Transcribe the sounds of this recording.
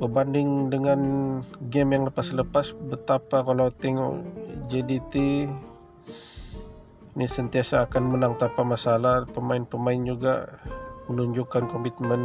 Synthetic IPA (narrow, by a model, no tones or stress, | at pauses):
bərbandɪŋdəŋanɡɛmjaŋləpasləpasbət̪apakalawt̪ɛŋɔ̰ʔd͡ʒedit̪i | nisənt̪iasaːkanmənaŋt̪ampamasalahpəmaɪnpəmaɪnd͡ʒuɡa̰mənuɲd͡ʒʊkankɔmit̪mən